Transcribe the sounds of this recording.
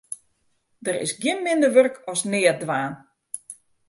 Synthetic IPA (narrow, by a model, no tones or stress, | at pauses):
dəɾɪ̰sɡjɪnmɪndərʋørkʰɔsnɪːədʋaːn